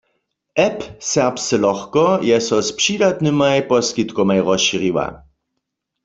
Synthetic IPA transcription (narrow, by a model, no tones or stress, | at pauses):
ɛpsɛʁpst͡sɛlɔxkɔjɛsɔspʂidat̪nɨmajpɔskit̪komajʁɔsʃiʁiwa̰